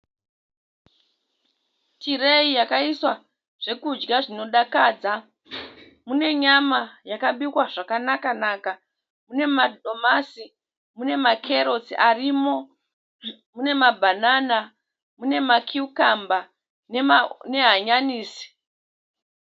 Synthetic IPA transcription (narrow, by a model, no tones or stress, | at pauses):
tiɾeijakaiswa | ʐ̥e̞kud͡ʒɡaʐino̞ɗakaːd͡za | mune̞ɲamajakaɓikwaʐakanakanaːka | mune̞madʱo̞masi | mune̞makʰe̞ɾo̞siʔarimo̞ | mune̞mabʱanana | mune̞makʰiukamba | nene̞ɦaɲaniːsi̥